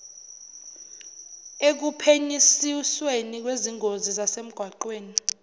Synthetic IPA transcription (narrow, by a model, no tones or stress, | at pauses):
ek̬upʰeɲisiswenik̬weziŋʱozizasem̩ɡ̥ʱwaǃweːni